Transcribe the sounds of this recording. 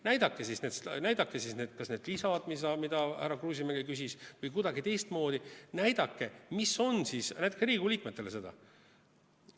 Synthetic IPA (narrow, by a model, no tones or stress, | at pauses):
næjd̪̥ɑkːˑesisne̞ːd̪snæjd̪̥ɑkːesisne̞d̪̥kɑsne̞ːd̪lisɑd̪̥misɑmid̪̥ɑhæɾɑkruːs̬ʲimeɡekys̬isvɤjkud̪ɑɡit̪e̞jst̪mo̞ːd̪inæjd̪̥ɑkːe̞miso̞nsisnæjt̪ːˑekseɾiːɡ̥uliːkmet̪ːˑelese̞d̪ɑ̰